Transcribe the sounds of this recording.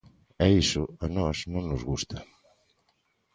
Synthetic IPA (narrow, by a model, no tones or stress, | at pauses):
ɛisʊanɔsnõŋnʊzɣust̪ɐ